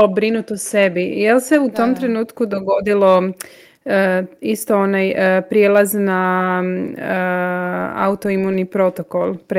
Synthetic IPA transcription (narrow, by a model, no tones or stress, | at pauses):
obɾinut̪ose̞bijelse̞ut̪o̞mt̪ɾe̞nuːt̪kud̪o̞ɡo̞d̪ilo̞ | ist̪oonajpɾijelˠazna | a̰ut̪oimunipɾo̞t̪okolˠpɾ